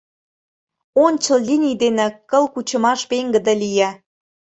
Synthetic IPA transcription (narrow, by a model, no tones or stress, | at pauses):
onʲt͡ɕə̆llʲinʲijd̪enĕkə̆lkut͡ɕə̆mɑʃpeŋɡə̆d̪ĕlʲijæ